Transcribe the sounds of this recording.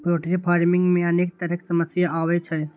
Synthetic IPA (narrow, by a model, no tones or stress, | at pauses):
pɾoːʈɾipʰaːɾmɪ̃ŋɡmẽɐneːk̚t̪əɾəksəməsjaaːʋet͡ʃʰɛ